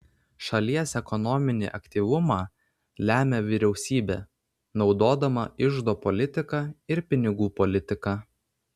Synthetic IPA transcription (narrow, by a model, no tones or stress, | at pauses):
ʃɐlʲiɛsɛkɔnɔmʲɪnʲḭːʔɐkʲt̪ʲiːˑʋʊmɑː | lʲæːmʲɛʋʲɪɾʲɛʊsʲiːbʲḛː | nɒʊd̪oːd̪ɐmɐ̰ɪʒd̪oːpɔlʲɪt̪ʲɪkɑɪɾpʲɪnʲɪɡuːpɔlʲɪt̪ʲɪkɑː